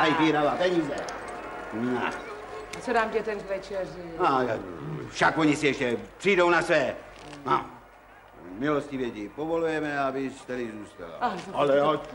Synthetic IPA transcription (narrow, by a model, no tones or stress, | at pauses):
ajviɾavapɛɲiːzɛ | na | t͡sodaːmcɛt̪ɛɾkvɛt͡ʃɛrɪajafʃakvoɲisɪɛʃcɛpr̥iːdownasvɛː | mam | mɪloscivjɛtipovolujɛmɛabɪst̪ɛɾɪzuːst̪a̰la̰alɛa